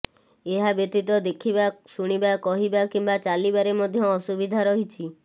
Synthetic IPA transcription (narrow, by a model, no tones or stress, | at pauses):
eɦabjɔt̪it̪ɔd̪ekʰibasuɽ̃ibakɔɦibakimbat͡ʃalibaɾemɔd̪ʱjɔːsubid̪ʱaɾɔɦit͡ʃʰi